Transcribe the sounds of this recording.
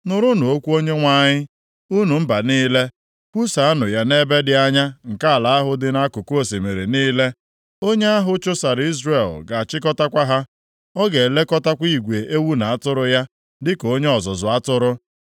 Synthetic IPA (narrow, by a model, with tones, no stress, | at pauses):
nʊ˨ɾʊ˦nʊ˨o˦kʷu˦o˦ɲe˦ŋʷa˦ɲɪ˦ | u˦nu˨m̩˦ba˨niː˦le˦ | kʷu˦sa˨a˦nʊ˨ja˦ne˦be˦dɪ˦a˦ɲa˦ŋ̩˨ka˦a˨la˨a˦ɦʊ˦dɪ˦na˦kʊ˨ko˦se˨me˨ɾe˨niː˦le˦ | o˦ɲe˦a˦ɦʊ˦t͡ʃʊ˦sa˨ɾi˦zɾe˨lɡa˨a˨t͡ʃɪ˦kɔ˦ta˦kʷa˦ɦa˦ | ɔ˦ɡe˨le˦kɔ˦ta˦kʷi˦˨ɡʷe˨ʔe˦wu˦na˨a˦tʊ˦ɾʊ˦ja˦ | dɪ˦ko˦ɲe˦ɔ˨zɔ˨zʊ˨a˦tʊ˦ɾʊ˦